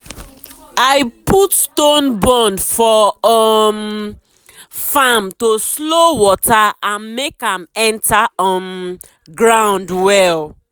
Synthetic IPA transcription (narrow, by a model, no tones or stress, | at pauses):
aɪputstõnbɔ̃nfɔɔm | famtoslowɔtʰaãnmekãmɛ̃ntaɔ̃m | ɡɹãʊ̃ndwɛl